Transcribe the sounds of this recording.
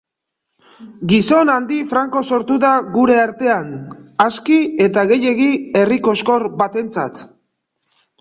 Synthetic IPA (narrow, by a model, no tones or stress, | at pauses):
ɡiso̞nand̪ifɾaŋko̞so̞ɾt̪uðaɣuɾe̞aɾt̪e̞anaskie̞t̪aɣe̞je̞ɣie̞riko̞sko̞ɾbat̪e̞nt͡sa̰t̪